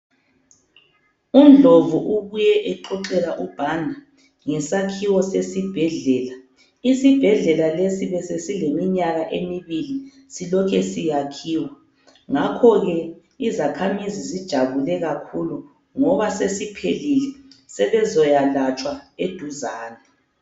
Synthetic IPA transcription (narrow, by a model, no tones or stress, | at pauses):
umd͡ɮʱovuʔuɣujɛʔɛǃɔǃɛɣaʔub̥ʱandʱa | ŋɛsakʰiwɔsesib̥ʱɛɮɛːla | isib̥ʱɛɮɛlalesiβɛsesilemiɲaɣaʔemiβili | silɔkʰɛsijakʰiːwa | ŋakʰɔɣɛ | izakʰamizizid̥ʒ̥ʱaβulɛɣakʰulu | ŋɔβasesipʰelilɛsɛβɛzɔjalat͡ʃʼwaed̥ʱuzaːnɛ